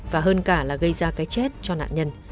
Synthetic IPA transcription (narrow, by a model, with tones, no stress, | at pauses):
vaː˨˩ɦəː˧nkaː˧˩laː˨˩ɣə˧jzaː˧kaː˨˦jt͡ɕɛ˦˥t̚t͡ɕɔ˧na̰ː˧˨ɲə˧n